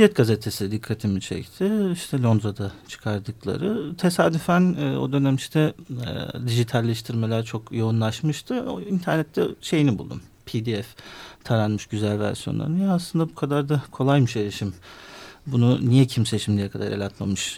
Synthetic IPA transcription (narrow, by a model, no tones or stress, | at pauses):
jɛt̪̚ɡazet̪ʰe̞sid̪ikʰːat̪ʰimit͡ʃʰɛ̰ct̪ʰɪiʃt̪ʰɛlʲo̞nd̪ɾad̪at͡ʃʰɯ̥kʰaɾd̪ɯklˠa̰ɾɯt̪ʰe̞saːd̪yfænːo̞̰d̪ø̞næmiʃt̪ʰɛ | d̪iʒit̪ʰalʲːɛʃt̪ʰiɾme̞lʲæɾt͡ʃʰo̞kjo̞unlˠaʃmɯʃt̪ʰɯ̰int̪ʰæɾnɛt̪ʰːɛʃe̞jinibṵlˠd̪ṵm | pʰid̪iɛft̪ʰaɾanmɯʃɟyzælʲvæ̰ɾsijo̞nˠa̰ɾɯnjaːslˠɯnd̪abukʰad̪aɾd̪akʰo̞lˠajmɯʃelʲiʃim | bununijɛcʰimset͡ʃʰimd̪ijɛkʰad̪a̰ɾḛlʲat̪ma̰mɯʃ